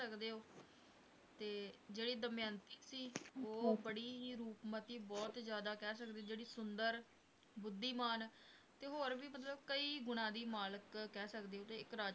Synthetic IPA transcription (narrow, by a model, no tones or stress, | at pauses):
əkd̪eːɦoː | t̪eːd͡ʒeːɽiːd̪əmjaːnt̪iːsiːoːbəɽiːɾuːpmət̪iːbɔːt̪zjaːd̪aːkɛːsəkd̪eːd͡ʒeːɽiːsʊnd̪əɾ | bʊd̪ːiːmaːn | t̪eːɦoːɾʋiːmət̪̬ləbkəiːɡʊnãːd̪iːmaːləkːɛːsəkd̪eːɦoːt̪eːɪkɾaː